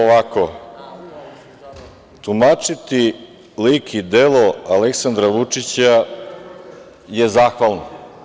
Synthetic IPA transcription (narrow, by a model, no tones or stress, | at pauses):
oʋako | t̪umat͡ʃit̪i | likʰid̪eloaleksand̪ɾaʋut͡ʂit͡ɕa | je̞zaːxʋalˠno